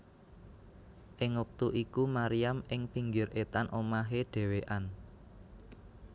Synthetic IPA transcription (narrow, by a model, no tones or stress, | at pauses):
ʔɪŋwɔk̚t̪uʔikumaɾijamʔɪŋpiŋɡɪrʔet̪anʔomaɦeɖ̥e̤weʔan